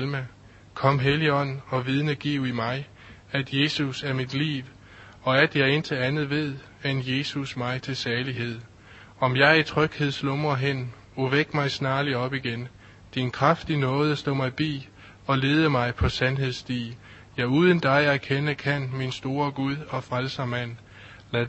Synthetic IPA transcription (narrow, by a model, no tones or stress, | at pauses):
lmæ | kʰɒ̽m̰ɦeliɒ̽n̰n̩ɒ̽ʋið̞ˠnəɡ̥iʊimɑ̈ɪ | æd̥je̝ːsusæɐmid̥lḭːʋ | ɒ̽æd̥jɑ̈ɪe̝nt͡sʰe̝lænð̞̩ˠʋe̝ð̞̰ˠ | enje̝ːsusmɑ̈ɪt͡sʰe̝lsæɐliɦe̝ð̞̰ˠ | ɒ̽mjɑ̈ɪɐit͡sʰʁœɡ̥he̝ð̞̰ˠslɔ̽mɐɦen̰ | oʋeɡ̥mɑ̈ɪsnɑ̈ːliɒ̽b̥iɡ̥en | d̥inkʰʁafd̥inɔ̽ːð̞̩ˠəsd̥ɔ̰̽ːmɑ̈ɪb̥ḭː | ɒ̽le̝ːð̞ˠəmɑ̈ɪpʰɒ̽sænɦe̝ð̞ˠsd̥ḭː | jɑ̈ɪuːð̞ˠənd̥ɑ̈ɪæɐkʰenəkʰæn̰minsd̥o̝ːɐɡ̥uð̞ˠɒ̽fʁalsɐmæn̰ | læ